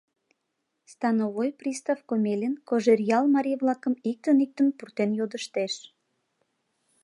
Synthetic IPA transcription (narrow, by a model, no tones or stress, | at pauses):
st̪ɑnovojprist̪afkomʲelʲinkoʒerjɑlmɑɾʲijβlɑkəmik̚t̪ənik̚t̪ənpurt̪enjod̪əʃt̪eʃ